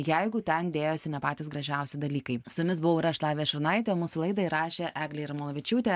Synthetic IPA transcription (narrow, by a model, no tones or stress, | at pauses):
jɛɪɡʊt̪ʲɛnd̪ʲeːjoːsʲɪnʲɛpɑːt̪ʲɪːsɡɾɐʒʲæˑʊsʲɪd̪ɐlʲiːkɐɪsʊjʊmʲɪs̬bʊʋoʊɾɐʃlˠɑːʋʲiːɛʃʲɪɾnɐɪt̪ʲeoːmuːsʊlˠɐɪd̪ɐɪɾɑːʃʲeːʔæːɡlʲeːɪɾmoːlˠoːʋʲɪt͡ʃʲuːt̪ʲeː